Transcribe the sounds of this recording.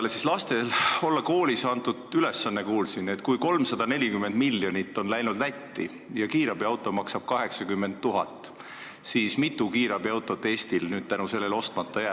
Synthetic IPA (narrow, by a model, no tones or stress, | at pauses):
lesislɑst̪e̞lo̞lːɑko̞ːlisɑnt̪ud̪̥yle̞sːɑnːe̞kuːlsinːe̞t̪kujko̞lmsɑd̪̥ɑne̞lʲikymːe̞nd̪milːjo̞nʲit̪ˑːo̞nlæjnud̪̥væt̪ːi | jɑkiːɾɑb̥iɑwt̪ːˑo̞mɑksɑb̥̚kɑɦe̞ksɑkymːe̞nd̪t̪ːuɦɑt̪ːˑ | siːsmit̪ːˑukiːɾɑbiɑwt̪ːˑo̞t̪e̞st̪ilnyːd̪̥̚t̪ænuse̞lːe̞lo̞st̪mɑt̪ːˑɑjæː